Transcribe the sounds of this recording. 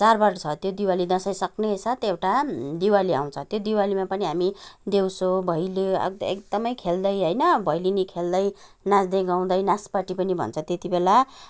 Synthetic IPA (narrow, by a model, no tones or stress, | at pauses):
t͡sarbʌrt͡sʰʌt̪jod̪iwalid̪ʌsʌjsʌknesat̪ewʈad̪iwalia̰w̃t͡sʰʌt̪jod̪iwalimapʌniɦamid̪ewsobʱʌjloʌ̰ḛk̚d̪ʌmʌjkʰeld̪ʌjɦʌjnʌbʱʌjlinikʰeld̪ʌj | nãsd̪eɡaw̃d̪ʌjnaspaʈipʌnibʱʌ̰nt͡sʰʌ̃t̪et̪ibela